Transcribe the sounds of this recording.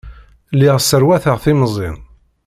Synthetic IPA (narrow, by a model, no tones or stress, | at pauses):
lːiʁsːəɾwæθəʁθimzˤḭn